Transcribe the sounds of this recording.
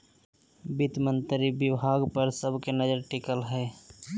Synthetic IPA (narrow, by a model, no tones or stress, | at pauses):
bɪt̪mə̃nt̪ɾibjɪbʱaːɡpəɾsəbʱkenəd͡ʒəɾʈikəlɦɛː